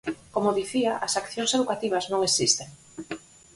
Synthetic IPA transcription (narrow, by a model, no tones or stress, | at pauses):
komoðiθiaʔasakθjoŋseðukat̪iβ̞aznõŋesist̪eŋ